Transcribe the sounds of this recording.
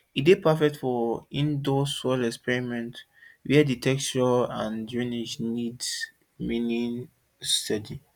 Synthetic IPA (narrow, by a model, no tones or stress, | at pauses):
idepʰafɛk̚tfɔĩndosɔlɛkspɛɹimɛ̃nt | wiaditʰɛkt͡ʃɔãnd͡ʒɹĩnid͡ʒnids | minĩn | stɛdi